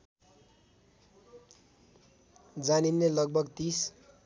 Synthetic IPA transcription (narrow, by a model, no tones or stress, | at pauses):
d͡zaninːelʌɡ̚bʱʌɡt̪is